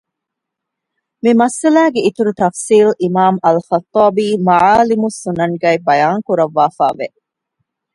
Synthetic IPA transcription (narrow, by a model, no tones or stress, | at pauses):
mimɐsɐlæːɡeit̪uɾut̪ɐfsiːlimaːmɐlxɐt̪ːɑːbiːmɐʕaːlimusunɐŋɡɐibɐjaːŋkuɾɐʋːaːfa̰ːʋe